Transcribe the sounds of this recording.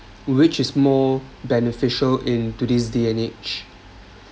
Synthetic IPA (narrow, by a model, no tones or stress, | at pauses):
wɪt͡ʃɪsmɔbɛnifɪʃəlɪ̃ntudisdeɛ̃net͡ʃ